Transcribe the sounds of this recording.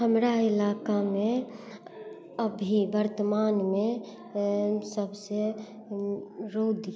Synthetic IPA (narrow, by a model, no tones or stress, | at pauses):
ɦəmɾaɪlaːkamẽ | əbʱibəɾt̪əmaːnmẽ | səbse | ɾoːd̪i